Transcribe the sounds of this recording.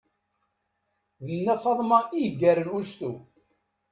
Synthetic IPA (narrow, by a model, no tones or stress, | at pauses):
ðənːæfɑðˤmɑiɡæɾənust̪u